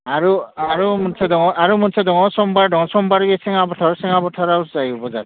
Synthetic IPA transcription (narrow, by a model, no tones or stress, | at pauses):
aɹuaɹumunsʰɛd̪ɔŋɔaɾumunsʰɛd̪ɔŋɔsɔmbaɹɖɔŋsɔmbaɾɡɛsɛŋabɔtʰaɹɔsɛŋabɔtʰaɾauszajubɔza̰ɾ